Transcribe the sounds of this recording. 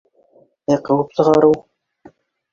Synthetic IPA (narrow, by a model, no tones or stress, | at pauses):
eqɤ̆wɤpsɤ̆ʁɑɾɤw